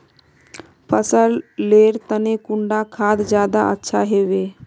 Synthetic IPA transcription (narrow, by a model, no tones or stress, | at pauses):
pʰəsəlleːɾt̪ənekʊ̃ɳɖakʰaːd̪d͡ʒjaːd̪a̰ʔə̰tːʃʰa̰ɦeːʋeː